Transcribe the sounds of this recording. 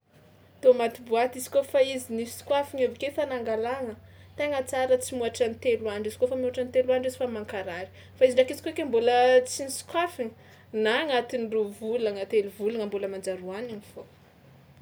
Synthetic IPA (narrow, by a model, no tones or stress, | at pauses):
t̪omat̪ibuat̪izi̥kofaizinifi̥skwafiɲavikefanaŋɡalaŋət̪eŋat͡saɾət͡simuaʈ͡ʂanit̪elwaɳɖ͡ʐizi̥kofamuaʈ͡ʂanit̪eluaɳɖ͡ʐizi̥famaŋkaɾaɾi̥ | faiziɖ͡ʐakizi̥koekʲembolət͡sinisu̥kwafiŋə | naŋat̪iniruvulaŋat̪eluvulaŋəmbuləmand͡zaɾuananifo